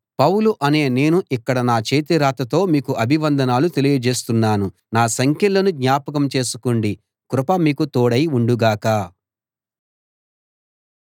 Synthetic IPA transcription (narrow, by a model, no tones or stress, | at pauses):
pɐwluʔɐne̞ːne̞ːnuʔikːɐɽɐnaːt͡ʃeːt̪iɾaːt̪ɐt̪o̞ːmiːkuʔɐbʱiʋɐnd̪ʱɐnaːlut̪e̞lijɐd͡ʒe̞ːst̪unːaːnu | naːsɐŋkʰjɐlːɐnuɡ̪ɲaːpɐk̬ɐmt͡ʃe̞ːsu̥koɳɖi | kɾupɐmiːkut̪oːɽɐjuɳɖuɡaːka